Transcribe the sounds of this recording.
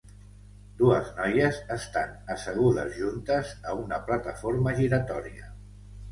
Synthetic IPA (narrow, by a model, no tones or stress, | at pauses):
d̪uəznɔjəzəst̪anəsəɣ̞uðə̰zʒunt̪əzəunəplat̪əfoɾməʒiɾət̪ɔɾiə